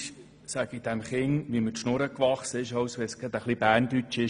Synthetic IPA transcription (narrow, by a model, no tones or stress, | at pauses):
sæɡ̥id̥̪ɛmχɪŋʋimətʃnoɾəkʋɑχsəɪʃɑwsʋɛsɡ̥ɛd̪əχlibæːɾnd̥̪yt͡ʃɪʃ